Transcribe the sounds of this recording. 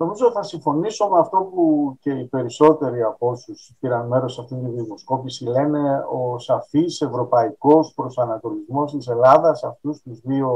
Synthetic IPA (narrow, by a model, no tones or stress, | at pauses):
no̞mizoθɐsiɱfo̞niso̞meɐft̪o̞puce̞ipe̞ɾiso̞t̪e̞ɾiɐpo̞suspiɾɐnme̞ɾo̞sɐft̪int̪iðimo̞sko̞pisile̞ne̞o̞sɐfise̞vɾo̞pɐiko̞spɾo̞sɐnɐkolizmo̞st̪ise̞lɐðɐsɐft̪ust̪uzðio̞